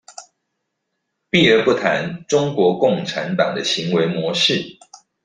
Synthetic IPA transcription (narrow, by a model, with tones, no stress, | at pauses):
pi˥˨ə˧pu˥˩t̪ʰa˧˦nʈ͡ʂʊ˥ŋkwɔ˧˥kʊ˥˩ŋʈ͡ʂʰa˧˥nt̪ɑ̰˨˩ŋd̪ə˦ɕi˧˥ŋwe˧˥ɪmwɔ˧˥ʂɻ̩˥˨